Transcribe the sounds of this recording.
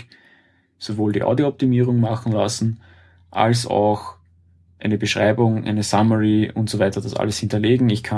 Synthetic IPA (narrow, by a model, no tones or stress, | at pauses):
sovoːldiːʔa̰ʊdioɔp̚t̪imiːʁ̞ʊŋmaxn̩lasn̩ | ʔa̰lsa̰ʊx | ʔæɪnəbəʃʁ̥aɪbʊŋʔæ̰ɪnəsaməʁiʊ̰ntsovæɪtɐd̥asʔa̰ləshɪntɐleːɡŋ̩ɪçkʰa